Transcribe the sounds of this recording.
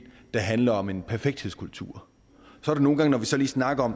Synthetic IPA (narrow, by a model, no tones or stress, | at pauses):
d̥ɑ̈ɦænlɐɒ̽me̝npʰæɐfeɡ̥̚d̥hḛskʰult͡sʰṵɐ̰ | sɒɐɾ̥eno̝ːn̩ɡɑ̈ŋnɒʋisɒ̽liːsnɑ̈ɡ̥ɐɒ̽m